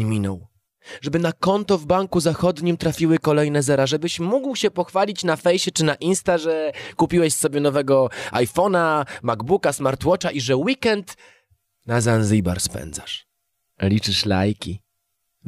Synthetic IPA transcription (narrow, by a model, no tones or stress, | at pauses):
mʲinɔw | ʐɛbɘnakɔnt̪ɔvbaŋkuzaxɔd̪ɲimt̪ɾafʲiwɘkɔlɛjnɛzɛɾaʐɛbɘɕmuɡwɕɛpɔxfalʲit͡ɕnafɛjɕɛt͡ʂɘnaʔinst̪aʐɛkupʲiwɛɕsɔbʲjɛnɔvɛɡɔajfɔnamaɡbukasmaɾt̪wɔt͡ʂaʔiʐɛwikɛnt̪ | nazanziba̰ɾspɛ̰nd̪za̰ʂ | lʲit͡ʂɘʂla̰jkʲi